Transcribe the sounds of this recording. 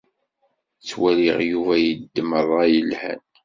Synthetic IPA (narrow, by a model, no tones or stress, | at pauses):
t͡sːwæliʁjuvæjəd̪ːmərˤːɑjəlhæ̰n